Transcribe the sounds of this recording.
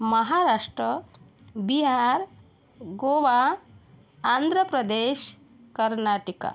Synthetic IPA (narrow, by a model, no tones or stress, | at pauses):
mɐɦaɾaːʂʈɾə | biɦaɾ | ɡoʋaː | nd̪ʱɾəpɾɐd̪eʃ | kɐɾnaːʈika̰